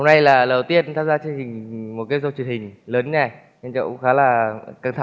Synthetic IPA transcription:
ho˧wna˧jlaː˨˩ləː˨˩wt̪i˧ət̚t̪ʰaː˧mzaː˧t͡ɕe˧nt͡ɕï˨˩ŋ̟mo˨˩kaː˨˦zo˧˩t͡ɕwənhï˨˩ŋ̟ləː˨˦nɲɛ˧˩ | ɲə˧nt͡ɕə̰˧˨wxaː˨˦laː˨˩ka˧˩ŋt̪ʰa˧˦

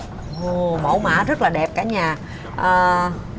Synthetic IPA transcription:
ʔo˧˩mə̰˧˩˦wma̰ː˧˩zə˦˥t̚laː˨˩ɗɛ˨˩p̚kaː˨˩˦ɲaː˨˩ | ʔəː˨˩

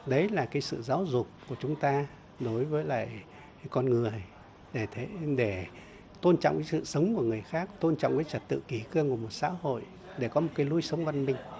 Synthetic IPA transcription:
ɗə˨˦jlaː˨˩kaː˨˦jsɨ̰˧˨zaː˨˦wzʊ˨˩k͡p̚ku˧˩ət͡ɕʊ˨˦ŋ͡mt̪aː˧ | ɗo˨˦jvəː˨˦jla̰ː˧˨j | kɔ˧nŋɨ˨˩əj | ɗe˧˩t̪ʰe˨˦ɗe˧˩ | t̪o˧nt͡ɕɔ̰˧˨ŋ͡mkaː˨˦sɨ̰˧˨sə˨˦wŋ͡mku˧˩əŋɨ˨˩əjxaː˦˥k̚t̪o˧nt͡ɕɔ̰˧˨wŋ͡mkaː˨˦jt͡ɕə˨˩t̚t̪ɨ̰˧˨ki˧˩kɨ˧əŋku˧˩əmo˨˩t̚sa̰ː˧˥ho̰˧˨j | ɗe˧˩kɔ˨˦mo˨˩kaː˨˦jlu˧jsə˨˦wŋ͡mva˧nmï˨˩ŋ̟

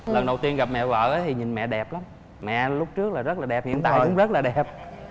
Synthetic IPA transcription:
lə˨˩nɗə˨˩wt̪i˧ənɣa˨˩p̚mɛ̰˧˨və̰ː˧˨ʔə˨˦t̪ʰi˨˩ɲï˨˩nmɛ̰˧˨ɗɛ˨˩p̚la˨˦m | mɛ̰˧˨lʊ˦˥k͡p̚t͡ɕɨ˦˥ək̚laː˨˩zə˦˥t̚laː˨˩ɗɛ˨˩p̚hḭ˧˨ənt̪aː˧˨˧jkʊ̰˧˥ŋ͡mzə˦˥laː˨˩ɗɛ˨˩p̚

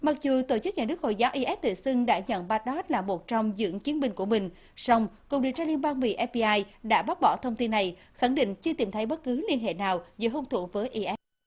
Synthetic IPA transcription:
ma˨˩k̚zu˨˩t̪o˧˩t͡ɕɨ˦˥k̚ɲaː˨˩nɨ˦˥ək̚ho̰˧˨jzaː˨˦wʔi˧ʔɛ˦˥p̚t̪ɨ̰˧˨sɨ˧ŋɗa̰ː˧˥ɲə̰˧˨nɓa˨˥t̚ɗɔ˦˥t̚laː˨˩mo˨˩t̚t͡ɕɔ˧wŋ͡mzɨ̰˧˥əŋt͡ɕi˨˦ənmï˧ŋ̟ku˧˩əmï˨˩ŋ̟ | sɔ˧wŋ͡mkʊ˨˩k͡p̚ɗḭ˨t͡ɕaː˧li˧ənɓaː˧nvḭ˧˨ʔɛ˦˥p̚i˧ʔaː˧jɗa̰ː˧˥ɓaː˦˥ɓɔ̰˧˩t̪ʰə˧wŋ͡mt̪i˧nːa˨˩j | xa˧˩ŋɗḭ˧˨ŋ̟t͡ɕɨ˧ət̪i˨˩mt̪ʰə˨˦jɓə˦˥t̚kɨ˨˦li˧ənɦḛ˧˨naː˨˩wzɨ̰˧˨ɦo˧ŋ͡mt̪ʰṵ˧˩vəː˨˦jʔi˧ʔɛ˦˥p̚

